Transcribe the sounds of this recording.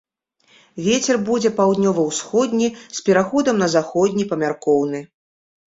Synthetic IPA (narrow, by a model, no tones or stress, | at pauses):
vʲet͡sʲɛrbud͡zʲɛpawd̪nʲɔvɐwsxɔd̪ʲnʲispʲɛɾaxɔd̪ɐmnɐzaxɔd̪ʲnʲipɐmʲarkɔwnɨ